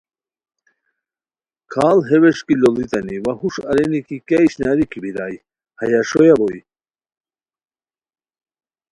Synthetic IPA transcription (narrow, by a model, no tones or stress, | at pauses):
kʰaːlɦeweʂkilolit̪ɐniwɐhuʂɐɾenikikeiɕnaɾikibiɾaːj | hɐjaʂojaboi